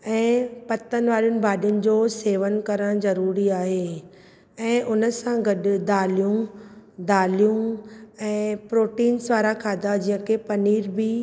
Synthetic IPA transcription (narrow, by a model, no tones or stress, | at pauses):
ɛ̃ːpɐt̪ənʋaːɾijʊnɪ̆bʱaːɗjʊnɪ̆d͡ʑoːseːʋənkɐɾəɽ̃zɐɾuːɾiaːɦeː | ɛ̃ːʔʊnəsãɡɐɗd̪aːlijũd̪aːlijũɛ̃ːpɾoːʈiːnsʋaːɾakʰaːd̪ad͡ʑiɦə̃kʰepɐniːɾbɪ